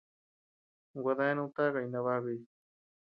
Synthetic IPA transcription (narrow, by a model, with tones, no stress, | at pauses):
waða˦e˦nũ˦t̪a˦ɣa˨ijna˧βa˦βi˦